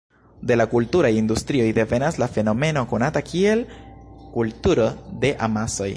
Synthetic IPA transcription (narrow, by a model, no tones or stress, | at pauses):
de̞lakultuɾajindustɾio̞jde̞ve̞naslafe̞no̞me̞no̞ko̞natakʰie̞lkultuɾo̞de̞ʔamaso̞j